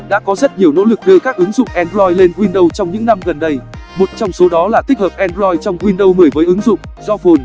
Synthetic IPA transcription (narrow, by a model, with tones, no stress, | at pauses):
ɗa̰ː˧˥kɔ˨˦zə˦˥t̚ɲi˨˩əwno̰˧˥lɨ˨˩k̚ɗɨ˧əkaː˦˥k̚ʔɨ˨˦ŋzʊ̰˧˨ŋ͡mʔɛ˧nzɔ˧jle˧nkwi˧nɗə˧wt͡ɕɔ˧wŋ͡mɲɨ̰˧˥ŋna˧mɣə˨˩nɗə˧jmo˨˩t̚t͡ɕɔ˧wŋ͡mso˨˦ɗɔ˨˦laː˨˩t̪i˦˥k̚həː˨˩p̚ʔɛ˧nzɔ˧jt͡ɕɔ˧wŋ͡mkwi˧nɗə˧wmɨ˨˩əjvəː˨˦jʔɨ˨˦ŋzʊ̰˧˨ŋ͡mzɔ˧fo˧n